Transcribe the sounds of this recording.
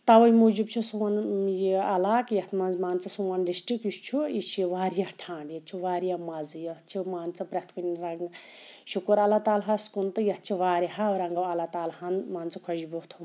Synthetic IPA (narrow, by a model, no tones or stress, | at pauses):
t̪ɐʋɐjmud͡ʒibt͡ʃʰusuwɐnjiɐlaːkjɐt̪ʰmɐzmaːnt͡sɐsuwɐnɖisʈɾikjist͡ʃʰuit͡ʃʰiʋaːɾjaʈʰãːɳɖjɐt̪t͡ʃʰuʋaːɾjamɐzjɐt͡ʃʰimaːnt͡sɐpɾɐt̪ʰkunʲɾɐŋɡ | ʃukuɾɐlat̪aːlɦaskunt̪ɨjɐh̪̚t͡ʃʰiʋaːɾiɦawɾɐŋɡɐwɐlat̪aːlhanmaːnt͡sɐkʰɐd͡ʒibut̪ʰum